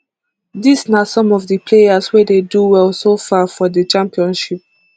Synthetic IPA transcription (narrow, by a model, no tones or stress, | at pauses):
disnasɔ̃mɔvdəpʰlejaswɛdeduwɛlsofafɔdət͡ʃãmpiɔ̃nʃip̚